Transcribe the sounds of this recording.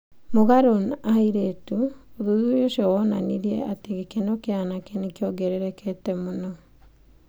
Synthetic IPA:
moɣaɾonaiɾetuoðuðujoʃjɔwɔna̰niɾiɛateɣekenɔkeanakɛnekeɔɡɛɾɛɾɛkʰɛtɛmonɔ

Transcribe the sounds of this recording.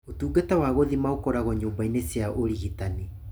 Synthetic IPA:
otuːɡetawaɣoðimaokɔɾaɣɔɲoːmbainesjaʔoɾiɣitani

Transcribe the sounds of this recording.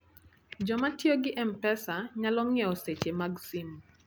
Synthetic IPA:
d͡ʒɔmatjɔɡɪʔɛmpɛsaɲalɔŋɛɔset͡ʃemaɡsim

